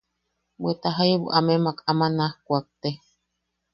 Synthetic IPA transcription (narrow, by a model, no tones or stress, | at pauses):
bwet̪aɦajβṵʔamemakamanahkʷak̚t̪e